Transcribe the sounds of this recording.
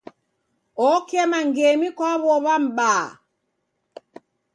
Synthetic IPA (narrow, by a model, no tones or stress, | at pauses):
ɔkɛmaŋɡemikɔβɔβam̩ɓaː